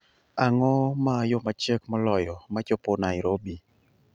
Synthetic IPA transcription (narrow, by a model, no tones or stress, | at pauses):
aŋɔmajomat͡ʃekmɔlɔjɔmat͡ʃoponaiɾobi